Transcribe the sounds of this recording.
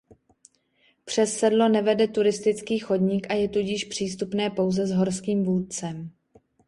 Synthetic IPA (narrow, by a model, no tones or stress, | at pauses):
pr̝̥ɛsːɛdlo̞nɛvɛdɛt̪uɾɪst̪ɪt͡skiːxo̞dɲikʔajɛt̪uɟɪʃpr̝̥iːst̪upnɛːpo̞wzɛzɦo̞ɾskiːmvuːt̪̚t͡sɛm